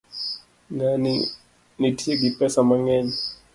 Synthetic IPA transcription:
nani | nitʰiɛɡipɛsamaŋɛɲɛ

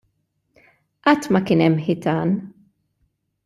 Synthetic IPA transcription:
ʔɐt̪ːmɐkɪːnɛmːħɪt̪ɐːn

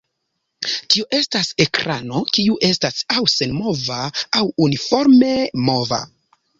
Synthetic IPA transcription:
tio̞ʔe̞stase̞kɾano̞kiuʔe̞stasawse̞nmo̞vaːwunifo̞ɾme̞mo̞va̰

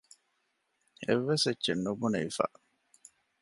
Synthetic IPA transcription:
ḛʋːesetːʃenːubuneʋifæ̰ː

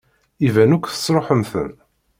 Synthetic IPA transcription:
ivænukʷːθə̥sɾˤoħəmθə̰m

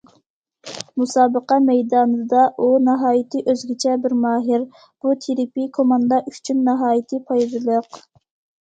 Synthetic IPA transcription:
musɑːbəqɑmɛjd̪ɑːnɨd̪ɑʔunɑɦɑːjit̪ʰɨʔøzɡʲit͡ʃʰɛbɪɾmɑːɦɪɾ | b̥ut̪ʰeɾɪpikʰomɑnd̪ɑʔyt͡ʃʰynːɑɦɑːjit̪ʰɨpʰɑjd̪ɨlˠəq

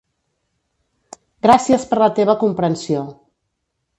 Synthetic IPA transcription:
ɡɾasiəspəɾlət̪eβ̞əkumpɾənsio

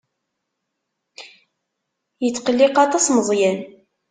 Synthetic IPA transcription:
jət͡sːqəlːiqɑt̪ˤɑsməzˤjæn

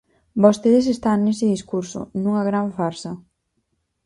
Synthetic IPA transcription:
bost̪eðes̬est̪aŋnesɪðiskuɾsʊ̰nuŋɐɣɾaɱfaɾsɐ

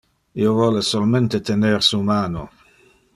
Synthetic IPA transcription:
iovɔlesolment̪et̪eneɾsumaːno̰

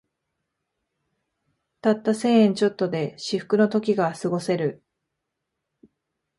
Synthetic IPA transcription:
t̪at̪ːase̞ːẽɲ̟t͡ɕo̞t̪ːo̞d̪e̞ɕiɸɯ̟̥kɯ̟no̞t̪o̞kʲiɡasɨɡo̞se̞ɾɯ̟

